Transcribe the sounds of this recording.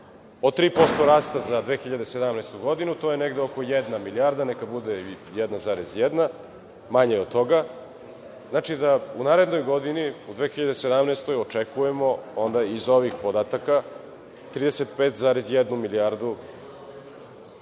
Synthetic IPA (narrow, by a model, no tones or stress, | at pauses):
ot̪ɾiːpo̞st̪o̞ɾaːst̪azad̪ʋeːxiʎad̪e̞sed̪amnejst̪uɡo̞d̪inut̪o̞ːjeneɡd̪eoko̞jɛd̪namiliaɾd̪anekabud̪e | jɛd̪nazaːɾezjɛd̪na | maɲeo̞d̪̚t̪o̞ɡa | znaːt͡ʃid̪aunaːɾe̞d̪no̞jɡo̞d̪iniud̪ʋe̞ːxiʎad̪e̞sed̪amnest̪o̞jot͡ʂekujemo̞ond̪aizo̞ʋixpod̪aːt̪aka | t̪ɾiːd̪eset̪pet̪zaːɾezjed̪numiliaɾd̪u